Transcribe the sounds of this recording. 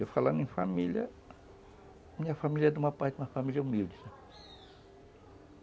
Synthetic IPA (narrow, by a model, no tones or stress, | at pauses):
ewfalãnẽfamiljɐ | mĩɲɐfamilʲjɐɛd̪umɐpajt̪umɐfamilʲɐumiwd͡ʒisɛ